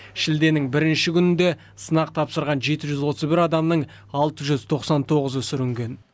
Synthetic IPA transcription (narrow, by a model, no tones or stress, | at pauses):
ʃɪld̪e̞nɪŋbɪɾɪnʃɪkʲʰʏnɪnd̪e̞ | sənɑq̚t̪ʰɑpsəɾʁɑnʒe̞t̪ɪʒʏzwo̞t̪əzbɪɾɑd̪ɑmnəɴ | ɑlˠt̪əʒʏzt̪ʰo̞qsɑnt̪ʰo̞ʁəzəʏsɪɾʏŋɡʲe̞n